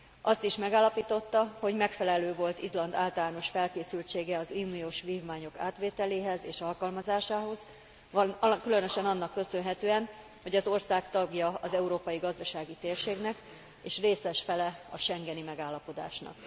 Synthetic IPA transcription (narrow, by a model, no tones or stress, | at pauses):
ʔɒst̪iʃmɛɡaːlːɒpiːt̪o̞t̪ːɒho̞ɟmɛkfɛlɛløːvo̞lt̪izlɒnd̪aːlt̪ɒlaːno̞ʃfɛlkeːsylt͡ʃeːɡɛɒzuːnioːʃʋiːvmaːɲo̞ka̰ːt̪ʋeːt̪ɛleːɦɛzeːʃɒlkɒlmɒzaːʃaːɦo̞z̥ | kylø̞nø̞ʃɛnɒnːɒkːø̞sønɦɛt̪øːɛn | ho̞ɟɒzo̞rsaːkt̪ɒɡjɒɒzɛuɾoːpɒjiɡɒzd̪ɒʃaːɡit̪eːrʃeːɡnɛk | eːʃreːsɛʃfɛlɛɒʃɛŋɡɛnimɛɡaːlːɒpo̞d̪a̰ːʃnɒ̰k